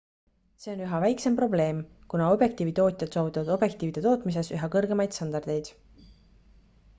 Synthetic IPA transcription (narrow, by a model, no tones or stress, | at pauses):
se̞o̞nyɦɑvæjkse̞mpro̞ble̞ːmkunɑo̞bje̞kt̪iːvit̪o̞ːt̪ʲˑjɑd̪̥soːvit̪ːˑɑvɑd̪o̞b̥je̞k̚t̪ˑiːvid̪̥e̞t̪o̞ːt̪ˑmis̬e̞syɦɑkɤrɡe̞mɑjd̪̥st̪ɑnd̪ɑrd̪̥e̞jd̪̥